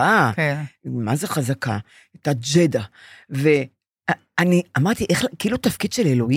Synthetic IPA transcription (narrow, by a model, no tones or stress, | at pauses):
a | mazeχazaka | atad͡ʒed̪ave̞ | a | aniamaʁt̪iʔeχkiiːlutafkid̪ʃelelo̞i